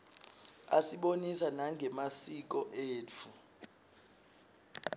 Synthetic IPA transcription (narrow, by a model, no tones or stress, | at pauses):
a̰siɓonisanaŋʱɛmasik̬ɔʔeːt͡fʰu